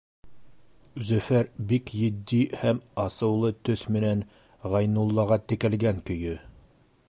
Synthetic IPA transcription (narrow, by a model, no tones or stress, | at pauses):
zɵ̆fæɾbikjɘ̆d̪ːihæmɑsɤ̆wlˠɤt̪ɵθmɘ̆næn | ʁɑjnulˠːɑʁɑt̪ɘ̆kælɡæŋkɵ̆jɵ